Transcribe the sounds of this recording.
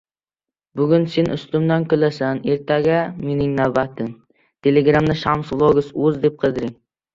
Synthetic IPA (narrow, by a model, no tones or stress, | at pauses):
bʊɡʲʊnse̞nʔʊ̰st̪ʊmd̪ankʰʲʊlasane̞ɾt̪ʰaɡʲame̞nɪŋnavbat̪ʰɪm | t̪ʰeleɡɾamnɪʃamsblˠoɡʊsɵzd̪e̞p̚qʰɨd̪ɪɾɪŋ